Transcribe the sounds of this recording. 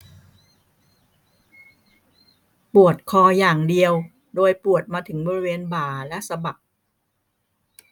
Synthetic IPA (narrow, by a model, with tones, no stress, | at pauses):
pu˨˩ət̪̚kʰɔː˧jaː˨˩ŋdi˧əw | doː˧jpu˨˩ət̪̚maː˧t̪ʰɯ˩˦ŋbɔː˧ɾi˦˥weː˧nbaː˨˩lɛ˦˥ʔsa˧ba˨˩k̚